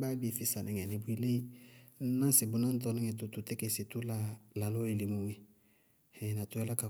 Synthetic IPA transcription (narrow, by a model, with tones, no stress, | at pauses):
ba˦bi˨fi˨sa˨nʔɛ̃˨ŋɛ˨nĩ˨bu˦i˦le˦i˦ | nã˦se˨bu˨nã˦n˦t̪̬ɔ˦nĩ˦ŋe˨tu˨t̪u˨te˦kɛ˨se˨tu˦la˦la˨lo˦je˨li˨mũ˨we˦ | ɛ˨na˨t̪u˨˦ja˦la˦ka˨